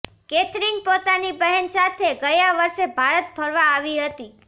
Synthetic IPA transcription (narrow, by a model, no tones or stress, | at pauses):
ket̪ɾiŋɡ̚pot̪anibəɦənsat̪ʰeɡəjaʋəɾʃebʱaɾət̪̚bʱəɾʋaːʋiɦət̪i